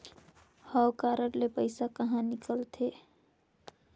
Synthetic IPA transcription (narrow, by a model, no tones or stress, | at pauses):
həwkaːɾəɾlepəɪsakəɦãnɪkəlt̪ʰe